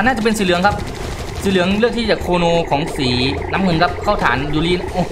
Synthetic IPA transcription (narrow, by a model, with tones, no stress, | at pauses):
naː˥˩t͡ɕa˨˩pe˧nsiː˨˦lɯ˩˦əŋkʰa˦˥p̚ | siː˨˦lɯ˩˦əŋɾɯ˥˩ək̚t̪ʰiː˥˩t͡ɕaː˨˩kʰoː˧noː˧kʰɔː˩˦ŋsiː˩˦na˦˥mŋɤ˧˥nka˦˥p̚kʰaː˥˩wt̪ʰa̰ː˩˦njuː˧˩liː˧˩ʔoː˧˩